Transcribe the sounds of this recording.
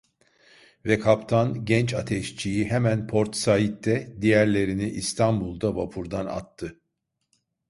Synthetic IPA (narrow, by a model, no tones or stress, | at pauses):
vɛkʰapt̪ʰanɟɛnt͡ʃat̪ʰɛʃt͡ʃʰijiɦɛmænpʰo̞ɾt̪sait̪ːɛd̪ijæɾlʲe̞ɾiniʔist̪ʰanbulˠd̪abapʰuɾd̪ana̰t̪ʰːɯ